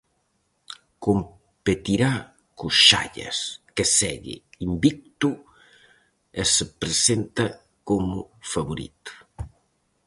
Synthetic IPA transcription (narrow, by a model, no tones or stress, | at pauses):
kom | pet̪iɾa | kʊsʃa̰ʎɐ̰skesɛɣɪ̰imbik̚t̪ʊ | esepɾesent̪ɐ | komʊfaβoɾḭt̪ʊ̥